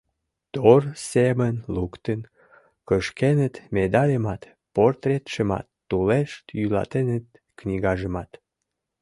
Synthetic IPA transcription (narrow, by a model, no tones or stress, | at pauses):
t̪orsemənlukt̪ən | kəʃkenət̪med̪ɑlʲemɑt̪ | port̪ret̪ʃəmɑ̰t̪ːuleʃt̪jylɑ̰t̪enət̪̚ | knʲiɣɑʒəmɑt̪